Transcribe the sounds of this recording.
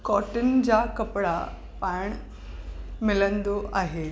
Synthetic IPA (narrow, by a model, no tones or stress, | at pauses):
kɔːʈɪnɪ̆d͡ʑaːkɐpɽa | pãːɪɽ̃ | mɪlə̃nd̪oʔaːɦe